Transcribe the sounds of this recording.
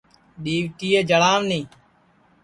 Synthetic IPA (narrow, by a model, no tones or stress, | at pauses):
ɗiːʋt̪iːeːd͡ʒəlaːʋnĩː